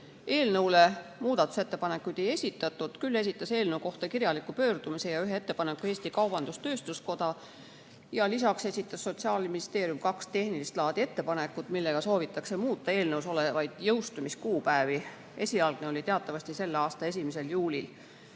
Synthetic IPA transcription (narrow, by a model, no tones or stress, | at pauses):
e̞ːlnɤwle̞muːd̪̥ɑt̪ːˑuse̞t̪ːe̞pɑne̞kːˑujd̪̥e̞je̞sʲit̪ːˑɑt̪ːˑud̪̥kylːe̞sʲit̪ːˑɑse̞ːlnɤwko̞ht̪ɑkirjɑlikːˑupø̞ːrd̪̥umise̞jɑyɦeet̪ːe̞pɑnekːue̞ːsʲt̪ikɑwb̥ɑnd̪̥ust̪ø̞ːst̪usko̞d̪̥ɑ | jɑlisɑkse̞sʲit̪ːˑɑsːo̞t̪siɑːlminist̪e̞ːɾijumkɑkst̪e̞hnilist̪lɑːd̪̥ie̞t̪ːe̞pɑne̞kːˑut̪milːe̞ɡ̥ɑso̞ːvit̪ːˑɑkse̞muːt̪ːˑɑe̞ːlnɤwso̞levɑjd̪̥jɤwst̪umiskuːpæevi | e̞sʲiɑlɡ̥neolʲit̪e̞ɑt̪ːˑɑvɑsʲt̪ise̞lːeɑːst̪ɑe̞s̬ʲimese̞ljuːlʲil